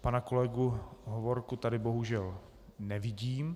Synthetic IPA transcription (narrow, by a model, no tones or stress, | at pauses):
panako̞lɛɡuɦovo̞ɾkut̪adɪbo̞ɦuʒɛl | nɛvɪɟiːm